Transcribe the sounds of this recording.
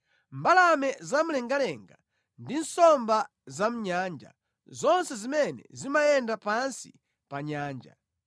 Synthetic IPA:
mbalamɛzam̩lɛŋɡalɛŋɡa | ndinsɔmba | zam̩ɲaːnd͡ʒa̰ | zɔnsɛzimɛnɛ̰zimajɛndapansi̥ | paɲaːnd͡ʒa̰

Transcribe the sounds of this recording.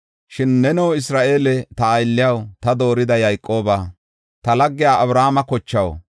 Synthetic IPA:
ʃɪnːɛnɛwɪs̬ɾaːʔe̞ːlɛt̪ɐːjlːɪjɐwt̪ɐd̪o̞ːɾɪd̪ɐjɐjkʼːo̞ːbaː | t̪ɐlɐɡːɪjaːʔɐbɾaːmɐkɔt͡ʃːɐw̰

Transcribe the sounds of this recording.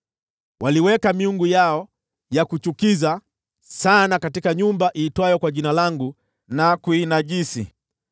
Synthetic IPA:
wʔaliwɛkamiuŋɡujaɔ | jakut͡ʃukiza | sanakatikaɲumbaʔiːtwajɔkwaʄinalaŋɡu | nakuinaʄisḭ

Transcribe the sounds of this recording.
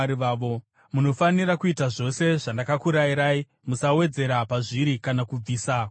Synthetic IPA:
ɾiʋaːʋo | muno̞faniɾakuitaʐo̞se̞ʐandakakuɾajiɾaːi | musawe̞d͡ze̞ɾapaʐiɾikanakub͡viːsa

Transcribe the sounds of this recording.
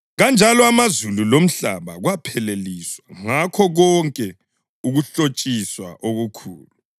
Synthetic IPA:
ɣand͡ʒʱalɔamazululom̩ɬa̰βaɣwapʰɛleliswaŋakʰɔɣɔŋkʼɛ | uɣuɬot͡ʃʼiswa̰ʔoɣukʰuːlu

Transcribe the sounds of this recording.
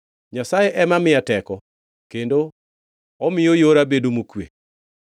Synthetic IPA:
ɲasajeʔɛmamɪatɛkɔ | kendo | ɔmɪjojoɾabedomokwḛ

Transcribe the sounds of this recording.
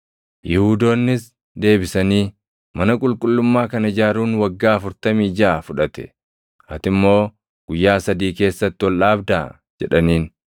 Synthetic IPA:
jɪhuːd̪o̞ːnːɪs | d̪e̞ːbɪsɐniː | mɐnɐkʼʊlkʼʊlːʊmːaːkɐnɪd͡ʒaːɾuːnwɐɡːaːɐfʊɾt̪ɐmiːd͡ʒaʔːfʊᶑɐt̪ɛ̥̰ | ʔɐt̪ɪmːo̞ː | ɡ̥ʊjːaːsɐd̪iːke̞ːsːɐt̪ːɪwɔlʔaːbd̪aː | d͡ʒɛᶑɐniːn

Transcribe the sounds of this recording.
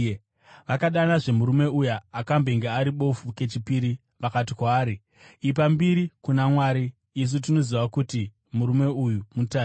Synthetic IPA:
ʋakaɗanaʐe̞muɾume̞ujaːkambeŋɡeaɾiɓo̞fuke̞t͡ʃipiɾi | ʋakatikwaːɾi | ip̬ambiɾikunamwaːɾiː | s̬ut̬ino̞ziʋakuti | muɾume̞ujumutaː

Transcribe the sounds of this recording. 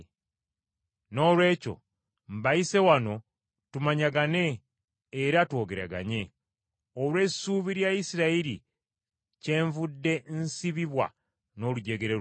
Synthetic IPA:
no̞ːlwe̞ːco̞̰ | m̩baise̞wano̞ | tumaɲaɡane̞ː | ɾatwo̞ːɡe̞ɾa̰ɡa̰ɲe̞ | olwe̞suːβiɾjaisiɾaiɾi | ce̞ːɱvudːe̞nsiβiβwa̰ | no̞luɟe̞ɡe̞ɾe

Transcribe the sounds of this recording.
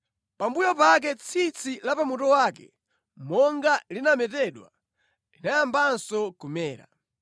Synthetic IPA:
pambujɔpak̬ɛt͡sʰit͡sʰilapamutɔwaːkɛ̰ | mɔŋɡalinamɛtɛɗwa | linajambansɔkumɛːɾa̰

